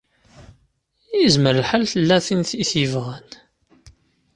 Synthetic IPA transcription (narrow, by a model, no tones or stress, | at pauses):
jizməɾəlħalθəlːæθinθiθivʁən